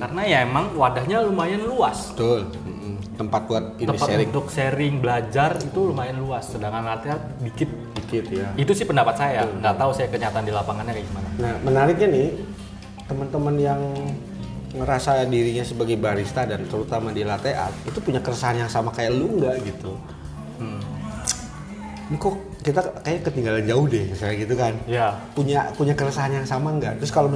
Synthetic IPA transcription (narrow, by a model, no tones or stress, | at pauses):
karənajaemaŋwadahɲalumajanluasəbt̪ʊl | m̩t̪əmpat̪̚kuat̪̚unəpaseɾɪnŋt̪ʊk̚seɾɪŋbəlad͡ʒarit̪ulumajanluasːədaŋanlat̪eat̪̚ | bikɪt̪̚dikɪt̪jait̪usɪhpəndapat̪̚sajaŋɡat̪ausajakəɲat̪aːndilapaŋanɲakaɡimananahmənaɾɪk̚ɲanɪh | t̪əmənt̪əmənjaŋ | məɾasadiɾiɲasəbaɡajbaɾist̪adant̪əɾut̪amadilat̪eʔa̰t̪̚it̪upuɲakəɾəsaɦanjaŋsamakajaʔluəŋɡaʔɡit̪u | m̩ | nko | kit̪akajakət̪iŋɡaland͡ʒaʊhdɛŋsajaɡit̪ukanjapuɲapuɲakəɾəsaɦanjaŋsamaəŋɡa̰ʔt̪ɾʊskalo